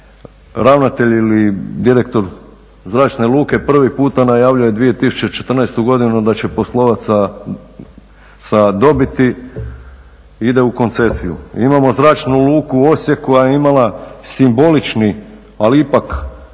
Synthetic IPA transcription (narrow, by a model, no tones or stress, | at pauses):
ɾaʋnat̪e̞ʎilid̪iɾe̞k̚t̪o̞ɾ | zɾaːt͡ʃne̞lˠuːke̞pr̩ʋipuːt̪anajaːʋʎuje̞d̪ʋije̞t̪isu̥t͡ɕe̞t͡ʃe̞t̪r̩najst̪uɡo̞d̪inud̪at͡ɕe̞poslˠo̞ʋat̪sa | sad̪o̞bit̪i | id̪e̞uko̞nt̪se̞sijṵimamo̞zɾaːt͡ʃnuluːkuo̞sjekojajeimalasimbo̞lit͡ʃni | aliipak